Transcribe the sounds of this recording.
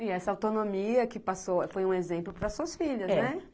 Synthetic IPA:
ɪɛsɐawt̪onõmiɐkɪpasofojũezẽmplʊpɾɐsuɐsfiʎɐznɛ

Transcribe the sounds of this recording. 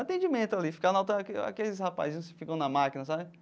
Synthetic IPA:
at̪ẽd͡ʒimẽnt̪ʊalifi̥kanawt̪akea̰kelɪshapa̰zĩɲʊ̃skɪ̥fikɐ̃w̃nɐmakinɐsabɪ

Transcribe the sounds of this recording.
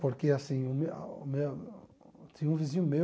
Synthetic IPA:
poɾkeasĩʊmḛmew | t̪ʰĩɲɐũvizĩɲʊme

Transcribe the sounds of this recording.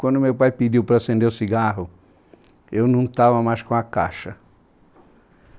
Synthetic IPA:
kwɐ̃nd̪ʊmewpajpid͡ʒiwpɾɐsẽnd̪eʊsiɡaɦʊ | ewnɐ̃w̃t̪avɐmajskõɐka̰ʃɐ

